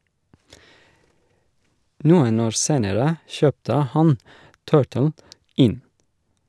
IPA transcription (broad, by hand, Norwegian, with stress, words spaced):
ˈnuːən ˈoːɾ ˈseːnəɾə ˈʃœptə ˈhɑn ˈtɜːʈəl ˈɪn